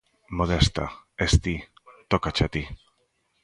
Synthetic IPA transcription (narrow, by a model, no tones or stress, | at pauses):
moðest̪a̰est̪it̪okat͡ʃat̪i